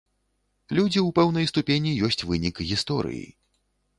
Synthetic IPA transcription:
lʲud͡zʲiuwpɛwnɐjst̪upʲenʲijɔsʲt͡sʲvɨnʲikɣʲist̪ɔɾɨ̰jḭ

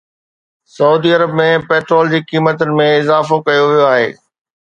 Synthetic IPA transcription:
sɐuːd̪iːɐɾəbmẽpeːʈɾoːld͡ʑiːkiːmət̪ʊnɪ̆mẽɪzaːfokɐjoʋijoaːɦḛː

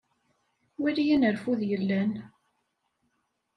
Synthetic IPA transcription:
wilijænəɾfuðjəlːæn

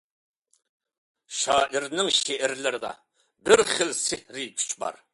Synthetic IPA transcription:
ʃɑːʔiɾnɪŋʃeʔɛɾlɪɾɪd̪ɑ̰ | bɪɾχɪlsɪhɾɪk̪ʲʰy̥t͡ʃbɑ̰ɾ

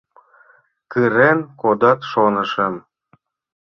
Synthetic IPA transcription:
kɯɾenkod̪ɑt̪ʃonə̆ʃə̆m

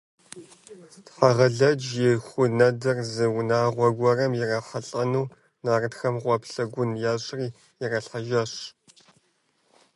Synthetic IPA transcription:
tħaʁɐɮɐd͡ʒjɪxʷʊnɐdɨrzɨwnaːʁʷɔɡʷɔrɐmjɪrɐħaɬʼɐnuː | naːrɨtxɐmʁʷɔpɬɐɡʷʊnjaːɕʼriː | jɪrɐɬħaʒɐɕ

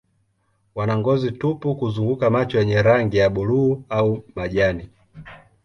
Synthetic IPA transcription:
wanaŋɡɔzitupukuzuŋɡukamat͡ʃɔjɛɲɛɾaŋɡijaɓuluːaumaʄani

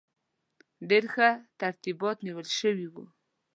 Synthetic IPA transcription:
d̪eɾxat̪aɾt̪ibɑt̪niwəlʃəwiwu

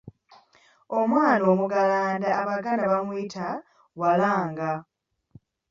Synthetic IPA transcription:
omwaːnoːmuɡalaːndaːβaɡaːndaβamwitʰa | walaːŋɡa

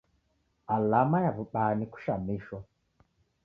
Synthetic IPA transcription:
alamajavuɓaniku̥ʃamiʃɔ

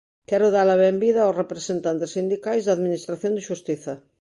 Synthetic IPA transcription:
kɛɾoðaɾlɐβɛmbiðɐawsrepɾesent̪ant̪esːind̪ikajzðaðminist̪ɾaθjond̪eʃust̪iθɐ

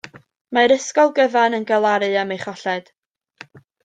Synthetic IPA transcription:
maɾəskɔlˠɡəvanənɡalˠaɾɨamejχɔɬɛd̥

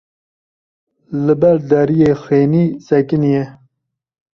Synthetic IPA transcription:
lɨbɐɾd̪ɐɾijexeːnisɐkinije

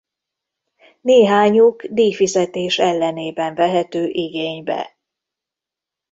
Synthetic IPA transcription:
neːɦaːɲuɡd̪iːfizɛt̪eːʃɛlːɛneːbɛɱvɛɦɛt̪øːʔiɡeːɲbɛ̰

